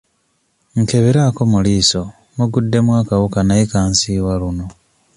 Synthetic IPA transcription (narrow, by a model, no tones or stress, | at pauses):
ŋkeβeɾakomuliːso̞ | muɡudːe̞mwaːkawukanaikaːnsiːwwaluno̞